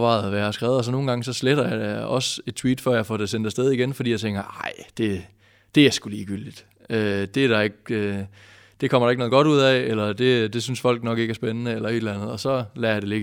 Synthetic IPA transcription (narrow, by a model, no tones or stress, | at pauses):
ʋɑ̈ɪð̩ˠʋæjɑhɑsɡ̥ʁɛʊðˠs̬ɒno̝ːn̩ɡ̥ɑ̈ŋəsɒ̽sleɾ̥ɐjɑ̈ɪɒ̽se̝d̥̚t͡sʰwḭːd̥fɶɐjäfɒːd̥esend̥æsd̥eð̞ˠiɡenfɒdḭːjɑ̈t͡sʰeŋɡ̥ɐʔɑ̈ɪ̰d̥e̝ | d̥e̝æɐsɡ̥uliːɡ̥yl̰d̥id̥ | ød̥e̝æɐɾ̥ɑ̈e̝ɡ̥̚ø | d̥e̝kʰɒ̽m̰ɐɾ̥ɑeɡ̥nɔð̩ˠɡ̥ɒ̽ɾuð̞̰ˠɛelɐd̥e̝d̥e̝synsfɒ̽l̰ɡ̥nɒ̽ɡ̥e̝ɡ̥æɐsb̥enənəelɐe̝d̥lænð̞̩ˠɒ̽sɒ̽læɐjɑ̈d̥ele̝ɡ